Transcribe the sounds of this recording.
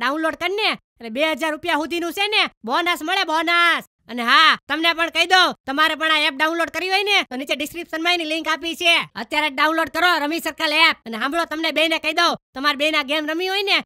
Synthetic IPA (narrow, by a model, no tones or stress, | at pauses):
ɖaunloɖ̚kəɾne | lebeɦəd͡ʒaɾːupjaɦud̪ʱinũsenebʱonasməɭebʱonas | əneɦãt̪əmnepəɳkəid̪ot̪əmaɾepəɳ̃aep̚ɖaunloɖ̚kəɾiɦoinet̪onit͡ʃeɖɪskɾipʃənmajnilĩŋkapit͡ʃʰeət̪jaɾeɖaunloɖ̚kəɾoɾəmisəɾkalep̚əneɦãmbɭot̪əmnebeinekəid̪ot̪əmaɾbeinaɡemɾəmiɦoine